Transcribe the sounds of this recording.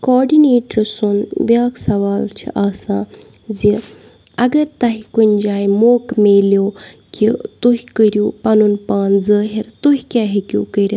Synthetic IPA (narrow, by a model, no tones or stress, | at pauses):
koːɾɖineːʈəɾsunʋʲaːksɐʋaːlt͡ʃʰḭʔaːsãː | zi | ɐɡɐɾt̪ɐɦikunʲd͡ʒaːjmoːkmeːljoː | kit̪uɦʲkəɾʲjuːpɐnunpaːnzəːɦiɾt̪uɦʲkaɦikʲṵːkəɾʲ